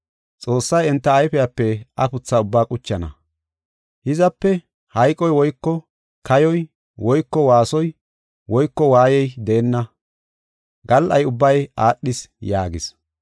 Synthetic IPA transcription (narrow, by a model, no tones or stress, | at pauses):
t͡sʼo̞ːsːɐjɛnt̪ːɐːjfɛjapːɛʔɐpʊt͡sːaːʊbːaːkʼʊt͡ʃːɐnɐ̰ | hɪzɐpːɛ | hɐjkʼɔjwɔjkːɔ | kɐjɔj | wɔjkːɔwaːsɔj | wɔjkːɔwaːjɛjd̪ɛːnːɐ | ɡɐlʔɐjʊbːɐjaːɗːɪsjaːɡɪs